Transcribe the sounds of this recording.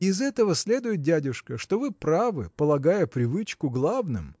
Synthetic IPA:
ɪzɛt̪əvəsʲlʲe̞d̪ʊjɪt̪̚dʲædʲʊʂkəʂt̪ovɨpɾavɨpəlˠɐɡajəpɾʲɪvɨt͡ɕkʊɡlˠavnɨ̰m

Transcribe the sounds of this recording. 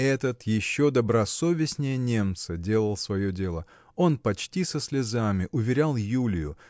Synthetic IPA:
ɛt̪ət̪jɪɕːo̞d̪əbɾɐso̞vʲɪsʲnʲɪjənʲe̞mt̪sədʲe̞lˠəlˠsvɐjodʲe̞lˠə | o̞npɐt͡ɕtʲisəsʲlʲɪzamʲɪʔʊvʲɪɾʲalˠjulʲɪjʊ

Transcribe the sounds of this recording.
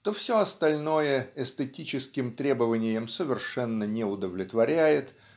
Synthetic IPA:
t̪ofsʲoɐst̪ɐlʲno̞jəɛst̪ətʲit͡ɕɪskʲɪmt̪ɾʲe̞bəvənʲɪjəmsəvʲɪrʂɛnːənʲɪʊd̪əvlʲɪt̪vɐɾʲæjɪt̪

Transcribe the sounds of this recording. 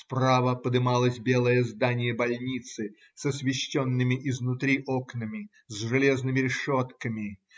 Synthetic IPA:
spravəpəd̪ɨmalˠəsʲbʲe̞lˠəjəzd̪anʲɪjəbɐlʲnʲit̪sɨ | səsvʲɪɕːonːɨmʲɪʔɪznʊt̪ɾʲiʔoknəmʲɪ | zʐɨlʲe̞znɨmʲɪɾʲɪʂot̪kəmʲɪ

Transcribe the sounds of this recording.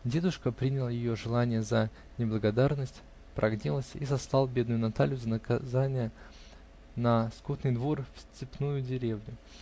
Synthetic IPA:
dʲe̞d̪ʊʂkəpɾʲinʲɪlˠəjɪjo̞ʐɨlˠanʲɪjəzə | nʲɪblˠəɡɐd̪arnəsʲtʲ | pɾʔɐɡnʲilˠəsʲizɐslˠɑlˠbʲe̞d̪nʊjʊnɐt̪alʲjʊzənəkɐzanʲɪjə | nɐskut̪nɨjd̪vo̞rfsʲtʲɪpnujʊdʲɪɾʲe̞vnʲʊ

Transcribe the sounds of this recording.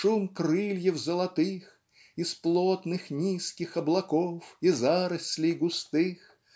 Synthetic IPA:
ʂumkɾɨlʲjɛwzəlˠat̪ɨx | isplˠɔt̪nɨxnʲiskʲixɐblˠakɔfizaɾɐsʲlʲijɡʊst̪ɨx

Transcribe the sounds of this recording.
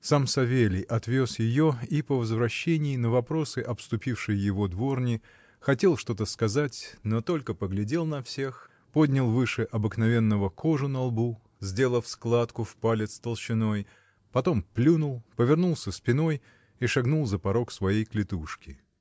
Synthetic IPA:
samsɐvʲelʲɪjʔɐt̪vʲo̞sjɪjoipəvəzvɾɐɕːenʲɪːnəvɐpɾo̞sɨʔɐpst̪ʊpʲifʂɨjjɪvo̞d̪vo̞rnʲɪ | xɐtʲe̞lˠʂt̪o̞t̪əskɐzatʲnot̪o̞lʲkəpəɡlʲɪdʲe̞lˠnɐfsʲe̞x | po̞dʲnʲɪlˠvɨʂɨʔɐbɨknɐvʲe̞nːəvəkʰo̞ʐʊnɐlˠbu | zʲdʲe̞lˠəfsklˠat̪kʊfpalʲɪt̪st̪əlˠɕɪno̞j | pɐt̪o̞mplʲunʊlˠpəvʲɪrnulˠsʲəspʲɪno̞j | iʂɐɡnulˠzəpɐɾo̞ksvɐjejklʲɪt̪uʂkʲɪ

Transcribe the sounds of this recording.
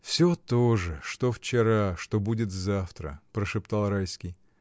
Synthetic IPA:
fsʲot̪oʐɨʂt̪o̞ft͡ɕɪɾaʂt̪o̞budʲɪt̪zaft̪ɾə̰pɾəʂɨpt̪alˠɾajskʲij

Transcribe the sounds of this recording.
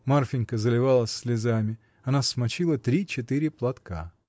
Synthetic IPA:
marfʲɪnʲkəzəlʲɪvalˠəsʲsʲlʲɪzamʲɪ | ɐnasmɐt͡ɕilˠət̪ɾʲit͡ɕɪt̪ɨɾʲɪplˠɐt̪ka̰

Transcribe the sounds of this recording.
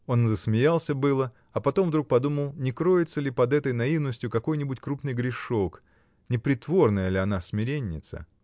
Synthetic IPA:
o̞nzəsmʲɪjalˠsʲəbɨlˠə | ɐpɐt̪o̞mvd̪ɾuk̚pɐd̪uməlˠnʲɪkɾo̞jɪt̪səlʲɪpɐd̪ɛt̪əjnɐivnəsʲtʲjʊkɐko̞jnʲɪbʊtʲkɾupnɨjɡɾʲɪʂo̞k | nʲɪpɾʲɪt̪vo̞rnəjəlʲɪɐnasmʲɪɾʲenʲːɪ̰t̪sə̰

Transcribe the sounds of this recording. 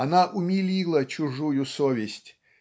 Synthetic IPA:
ɐnaʔʊmʲɪlʲilˠət͡ɕʊʐujʊsovʲɪsʲtʲ

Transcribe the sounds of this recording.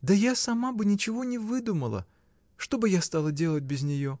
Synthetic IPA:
d̪əjasɐmabɨnʲɪt͡ɕɪvo̞nʲɪvɨd̪uməlˠə̰ | ʂt̪o̞bɨjast̪alˠədʲe̞lˠət̚ʲbʲɪzʲnʲɪjo̞

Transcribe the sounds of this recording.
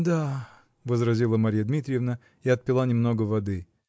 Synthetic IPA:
d̪a | vəzɾɐzʲilˠəmɐɾʲijəd̪mʲit̪ɾʲɪjɪvnə | iɐt̪̚pʲɪlˠanʲɪmnoɡəvɐd̪ɨ

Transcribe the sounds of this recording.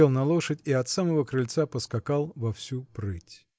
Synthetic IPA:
elˠnɐlˠoʂətʲiɐt̪saməvəkɾɨlʲt̪sapəskɐkalˠvɐfsʲupɾɨtʲ

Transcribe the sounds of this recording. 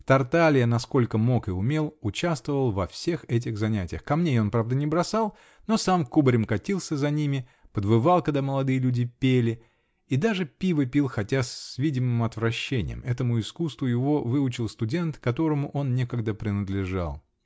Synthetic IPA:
t̪ɐrt̪alʲɪjənɐsko̞lʲkəmo̞kɪʊmʲe̞lˠʊt͡ɕast̪vəvəlˠvɐfsʲe̞xɛt̬ʲɪɣzɐnʲætʲɪjəxkɐmnʲejo̞npɾavd̪ənʲɪbɾɐsalˠ | no̞samkubɾʲɪmkɐtʲilˠsʲəzɐnʲimʲɪpəd̪vɨvɑlˠkəd̪aməlˠɐd̪ɨjəlʲudʲɪpʲelʲɪ | id̪aʐɨpʲivəpʲilˠxɐtʲasvʲidʲɪmɨmɐt̪vɾɐɕːenʲɪ̰jə̰mɛt̪əmʊɪskust̪vʊjɪvo̞vɨʊt͡ɕɪlˠst̪ʊdʲe̞nt̪kɐt̪o̞ɾəmʊʔo̞nnʲekəɡd̪əpɾʲɪnəd̪lʲɪʐa̰lˠ

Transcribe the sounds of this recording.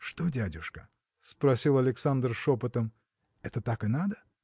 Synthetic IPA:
ʂt̪odʲædʲʊʂkə | spɾɐsʲilˠɐlʲɪksand̪rʂopət̪əm | ɛt̪ət̪akɨnad̪ə

